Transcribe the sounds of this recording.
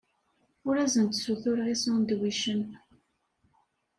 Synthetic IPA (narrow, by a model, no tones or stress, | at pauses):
ʊɾæzənt̪suθʊɾʁisund̪wiʃən